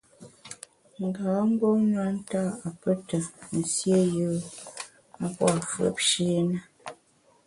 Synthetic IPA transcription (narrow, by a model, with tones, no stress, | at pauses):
ŋ̩˨ɡaː˨˦m̩˦bo˦nwa˦n̩˦ta˦a˨pə˦tə˨n̩˨sje˦jə˨˦ | a˦pwa˨fə̰˨˦p̚ʃe˦nə˦